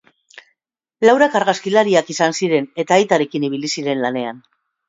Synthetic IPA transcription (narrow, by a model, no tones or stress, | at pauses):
lawɾakaɾɣaskilaɾiakisansiɾe̞ne̞t̪aːjt̪aɾe̞kiniβ̞ilisiɾe̞nlane̞an